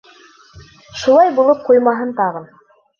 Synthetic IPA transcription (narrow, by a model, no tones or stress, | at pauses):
ʃulˠɑjbulˠɤp̚qujmɑɦɤnt̪ɑʁɤn